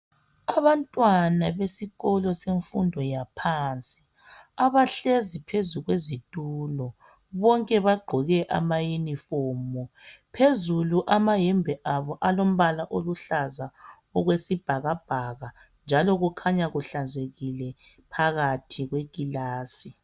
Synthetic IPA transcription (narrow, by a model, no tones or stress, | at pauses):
aβantʼwanaβesiɣɔlɔseɱfundʱɔjapʰaːnt͡sʼi̥ | aβaɬezipʰezuɣwezitʼuːlɔ | βɔŋkʼɛβaɡ͡ǃʱɔɣɛʔa̰majinifɔːmɔpʰezuluʔamajɛmbʱɛʔaβɔʔalom̩βalaʔoluɬaza | ɔɣwesib̥ʱaɣab̥ʱaɣa | nd͡ʒʱalɔɣukʰaɲaɣuɬand͡zʱeɣilɛ | pʰaɣatʰiɣweɡʼilaːsi